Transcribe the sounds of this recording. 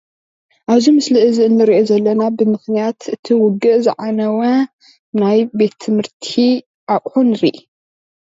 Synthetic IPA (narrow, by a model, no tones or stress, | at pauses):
ʔaβzimɨslɨʔɨziɨnːɨɾiʔozɐlːɐnabɨmɨxnijat̪ɨt̪ʰiwʊɡɨʔzɨʕanɐwɐ | najbe̞t̪ʰːɨmhɨɾt̪ʰi | ʔaʔʼħunɾiʔ